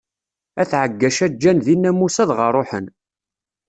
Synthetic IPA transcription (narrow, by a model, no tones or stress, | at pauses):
æθʕəɡːæʃæd͡ʒːænðinːæmusæðʁərˤoħən